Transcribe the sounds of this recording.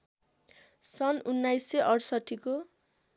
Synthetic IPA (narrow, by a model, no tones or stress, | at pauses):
sʌnunːajsːeʔʌɽsʌʈʰːiko